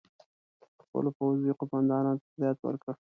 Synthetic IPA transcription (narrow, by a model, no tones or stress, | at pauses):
xpə̰lopawziqʊmand̪ɑnɑnot̪azjɑt̪wə̰ɾkə